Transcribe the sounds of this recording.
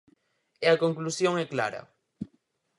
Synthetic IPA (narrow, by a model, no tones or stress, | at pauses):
eɐkoŋklusjõŋɛkla̰ɾɐ̰